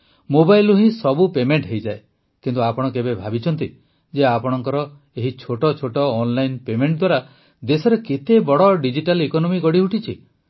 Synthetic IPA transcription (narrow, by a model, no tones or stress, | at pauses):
mobajluɦĩsɔbupemeɳʈɦejd͡ʒae | kint̪uapɔɽ̃ɔkebebʱabit͡ʃʰɔnt̪i | d͡ʒeapɔɽ̃ɔŋkɔɾɔ | eɦit͡ʃʰoʈɔt͡ʃʰoʈɔːnlajnpemeɳʈd̪waɾa | d̪esɔɾeket̪ebɔɽɔɖid͡ʒiʈalikɔnɔmiɡɔɽiɦuʈit͡ʃʰi